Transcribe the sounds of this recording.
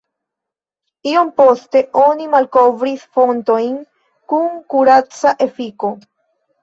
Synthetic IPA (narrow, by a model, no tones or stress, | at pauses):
io̞mpo̞ste̞ʔo̞nimalko̞vɾisfo̞nto̞jn | kuŋkuɾat͡saʔe̞fiko̞